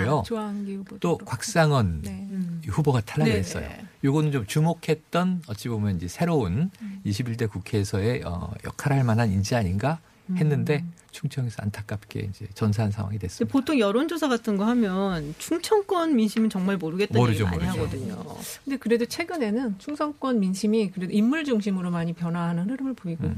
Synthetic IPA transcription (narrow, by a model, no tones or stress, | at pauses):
joŋɡit͈okwak̚s͈aŋʌn | ihuboɡatʰaɭːaɡiɦes͈ʌjjo̰joɡʌnɯnt͡ɕomt͡ɕumokʰe̞t̚t͈ʌnʌt͡ɕ͈ibomjʌnind͡ʑe̞sʰe̞ɾouniɕʰibiɭtekukʰeːsʰʌe̞ʌ̰jʌ̰kʰaɾɦaɭmanɦanind͡ʑiaɲinɡa | he̞nːɯnde̞ | t͡ɕʰuŋt͡ɕʰʌŋesʰʌa̰ntʰak͈̚ap̚k͈e̞̰ḭnd͡ʑe̞t͡ɕʌns̬ʰaansʰa̰ŋwa̰ŋidwes͈depotʰoŋjʌɾond͡ʑosʰaɡatʰɯnɡʌhamjʌnt͡ɕʰuŋt͡ɕʰʌŋk͈wʌnminɕʰimɯnʌŋmaɭmoɾɯɡetmaʌɾɯd͡ʑomaʌɾɯaɡʌdɯɲo̰kʰɯnde̞kɯɾe̞dot͡ɕʰwe̞ɡɯne̞nɯnt͡ɕʰuŋsʰʌŋk͈wʌnminɕʰimikɯɾe̞doimːuɭd͡ʑuŋɕ̬ʰimɯɾomaɲipjʌnɦwaɦanɯnɯɾɯmɯɭpoiɡu